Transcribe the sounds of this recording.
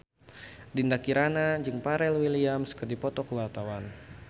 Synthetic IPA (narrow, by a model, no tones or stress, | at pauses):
dindakiɾanad͡ʒɨŋpaɾɛlwiliamskərdipɔt̪ɔkəwart̪awan